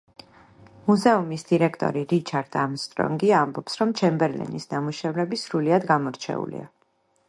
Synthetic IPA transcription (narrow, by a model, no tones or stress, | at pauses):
muzɛumisd̪̥iɾɛkʰt̪ʼɔ̰ɾiɾit͡ʃʰaɾd̪amst̪ʼɾɔ̰ŋɡiambɔpsɾɔmt͡ʃʰɛmbɛɾlɛ̰nisnamuʃɛvɾɛbisɾuliad̪ɡamɔɾt͡ʃʰɛ̰ṵlḭa